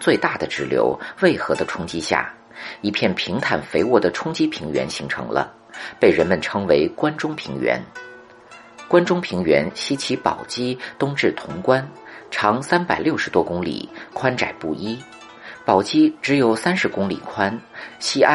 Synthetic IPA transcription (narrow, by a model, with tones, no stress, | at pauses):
t͡swe˥˧ɪt̪a˥˩d̪ə˩ʈ͡ʂɻ̩˧˥ljo̰˧˥ʊwe˥˩ɪxɤ˧˥d̪ə˧ʈ͡ʂʰʊ˥ŋt͡ɕi˥ɕja̰˥˩ | i˧˥pʰjɛ˥˩npʰi˧˥ŋt̪ʰa˨˩nfe˧˥ɪwɔ˥˩d̪ə˩ʈ͡ʂʰʊ˥ŋt͡ɕi˥pʰi˧˥ŋɥɛ̰˧˥nɕi˧˥ŋʈ͡ʂʰɤ̰˧˥ŋlə̰˧ | pe˥˩ɪɻə˧˥nmə˨nʈ͡ʂʰɤ˧˥ŋwe˧˥ɪkwa˥nʈ͡ʂʊ˥ŋpʰi˧˥ŋɥɛ̰˧˥n | kwa˥nʈ͡ʂʊ˥ŋpʰi˧˥ŋɥɛ̰˧˥nɕi˥t͡ɕʰi˧˥pɑ̰˨˩ʊt͡ɕi˥t̪ʊ˥ŋʈ͡ʂɻ̩˥˩t̪ʰʊ˧˥ŋkwa˥nʈ͡ʂʰɑ˧˥ŋsa˥npa˨˩ɪljʊʂɻ̩˧˥t̪wɔ˥kʊ˥ŋlḭ˨˩kʰwa˥nʈ͡ʂa̰˨˩ɪpṵ˥˩i˥ | pɑ˨˩ʊt͡ɕi˥ʈ͡ʂɻ̩˧˥jo˨˩ʊsa˥nʂɻ̩˧˥kʊ˥ŋlḭ˨˩kʰwa˥nɕi˥a˥